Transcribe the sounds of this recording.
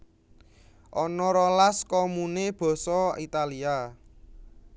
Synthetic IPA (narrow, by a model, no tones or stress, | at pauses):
ʔɔnɔɾɔlaskɔmuneb̥ɔ̤sɔit̪alia